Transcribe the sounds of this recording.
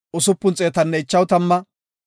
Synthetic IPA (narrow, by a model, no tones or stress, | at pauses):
ʊsʊpːʊnt͡sʼeːt̪ɐnːɛɪt͡ʃːɐwt̪ɐmːɐ